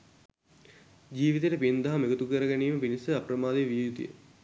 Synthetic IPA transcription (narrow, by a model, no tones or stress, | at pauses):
d͡ʑiːʋit̪eːʈəpind̪aɦameɡət̪ukəɾəɡæniːməpinisəapɾɐmaːd̪eʋijut̪ujə̰